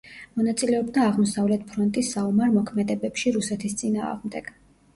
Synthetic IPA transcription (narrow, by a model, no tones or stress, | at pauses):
mɔnat̪sʼilɛɔb̚d̪aːʁmɔsavlɛt̪̚ʰpʰɾɔnt̪ʼisːaɔmaɾmɔkʰmɛd̪ɛbɛpʃiɾusɛt̪ʰist̪sʼina̰ːʁmd̪ɛɡ̥